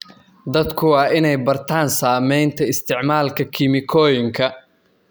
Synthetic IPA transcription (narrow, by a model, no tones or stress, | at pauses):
d̪ɐd̪kʰʊwɑːɪnɛjbɐrt̪ʰaːnsaːmɛjnt̪ʰɐɪst̪ʰɪʕmaːlkʰɐkʰɪmɪkʰɔːjɪŋkʰɐ